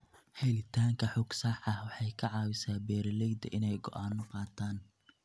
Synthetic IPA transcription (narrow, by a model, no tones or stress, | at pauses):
hɛlɪt̪ʰaːŋkʰɐħʊɡsaħɐhwɑħɑjkʰɐʕɑːwɪsaːbɛːɾɐlɛjd̪ɐ̰ʔɪnɛjɡɔ̰ʔaːnɔqɑːt̪ʰaːn